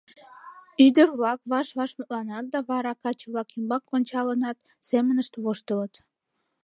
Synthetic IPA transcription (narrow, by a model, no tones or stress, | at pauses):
yd̪əɾβlɑkβɑʃβɑʃmut̪lɑnɑt̪̚d̪ɑβɑɾɑkɑt͡ɕəβlɑkimbɑkːonʲt͡ɕɑlənɑt̪ | semənəʃt̪βoʃt̪ələt̪